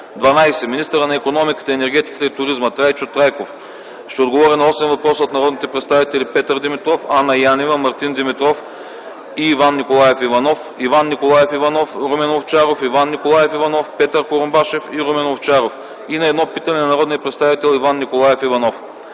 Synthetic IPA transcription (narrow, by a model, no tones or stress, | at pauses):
d̪vɐnajsɛminist̪əɾənɐɛkonɔmikə̥t̪əɛnɛɾɡ̟ʲɛt̪i̥kə̥t̪əit̪ʊɾizmət̪ɾajt͡ʃot̪ɾajkof | ʃt̪ɛod̪ɡovɔɾʲinɐɔsɛnvɐpɾɔsot̪nɐɾɔd̪nit̪ɛpɾɛt̪st̪avit̪ɛlipɛt̪əɾd̪imit̪ɾɔfanɐjanivəmɐɾt̪ind̪imit̪ɾɔf | iːvanːikolˠajɛfivɐnɔf | ivanːikolˠajɛfivɐnɔfɾomɛnoft͡ʃaɾofivanːikolˠajɛfivɐnɔfpɛt̪əɾkoɾombaʃɛfiɾomɛnoft͡ʃaɾof | inɐɛd̪nɔpit̪ɐnɛnɐnɐɾɔd̪nijəpɾɛt̪st̪avit̪ɛlˠivanːikolˠajɛfivɐnɔf